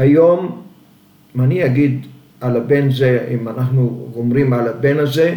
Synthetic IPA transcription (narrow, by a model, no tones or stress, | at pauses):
ajo̞m | maniaɡid̪ | alabe̞nzeimanaχnuomʁimalabe̞naze̞